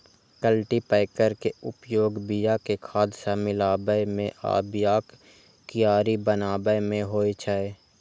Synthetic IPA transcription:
kəlʈipɛːɪkəɾkeʊpjoːɡbijakekʰaːd̪samɪlaːbəjmẽʔa̰ːbjaːk | kijaːɾibənaːbəjmẽɦoːit͡ʃʰae

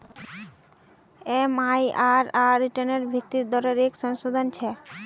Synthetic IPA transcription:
emajaɾaɾiʈaneɾbʱikt̪ːiɾd̪ɔɾeɾekʃɔŋʃod̪ʱant͡ɕʰɛ

